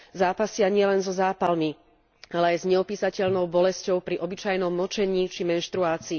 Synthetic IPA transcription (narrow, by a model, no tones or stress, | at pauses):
zaːpasɪaɲɪɛlɛnzɔzaːpalmi | alɛajzɲɛɔpiːsacɛʎnɔʊbɔlɛscɔʊpɾiʔɔbit͡ʃajnɔmːɔt͡ʃɛɲiːt͡ʃimɛnʃt̪ɾuaːt͡siː